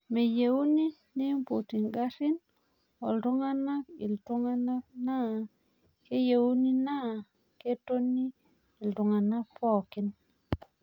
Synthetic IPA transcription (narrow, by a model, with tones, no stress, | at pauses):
me˨je˨wu˦ni˦ | ni˦mpo˨ti˨ŋɡa˦ɾɪ˦n | ɔ˨ldo˦ŋa˦na˦kḭ˨ltu˦ŋa˦na˦k̚na˦ | ke˦je˨u˦ni˦na˦˨ | ke˦to˦niː˦˨ | ltʊ˨ŋa˨na˦pɔ˦˨kɪ˦n